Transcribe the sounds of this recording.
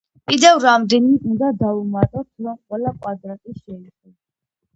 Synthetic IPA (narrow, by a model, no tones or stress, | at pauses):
kʼid̪ɛvɾamd̪ɛniund̪ad̪aumat̪ʼɔt̪ʰɾɔmqʼwɛlaqʼwad̪ɾak̪ʼiʃɛiχɛb